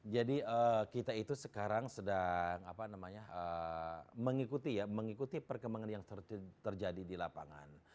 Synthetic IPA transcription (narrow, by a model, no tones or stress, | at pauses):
d͡ʒadiəkit̪ait̪usəkaɾaŋsədaŋapanamaɲaə | məŋikut̪ijaməŋikut̪ipərkəmaŋanjaŋt̪ət̪t̪ərd͡ʒadidilapa̰ŋa̰n